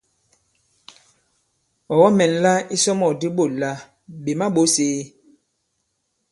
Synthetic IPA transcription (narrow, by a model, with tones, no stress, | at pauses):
ɔ˨wɔ˦mɛ˨n˨la˦i˦sɔ˦mɔ˨di˦ɓo˦˨la˦ | be˨ma˦ɓo˦seː˦